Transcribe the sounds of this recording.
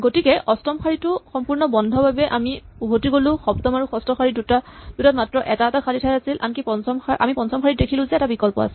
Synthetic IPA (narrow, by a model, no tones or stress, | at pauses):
ɡotikɛʔɔstɔmxʰaɹitʊxɔmpuɹnɔbɔndʱɔbabɛʔamiubʱotiɡolʊ̃xɔptɔmaɹuxɔstɔxʰaɹidutad̥utatmatɹɔʔɛtaɛtakʰalitʰajasilʔa̰nkipɔnsɔmxaʔa̰mipɔnsɔmxaɹit̚dekʰilʊ̃zɛɛtabikɔlpɔ̰a̰sɛ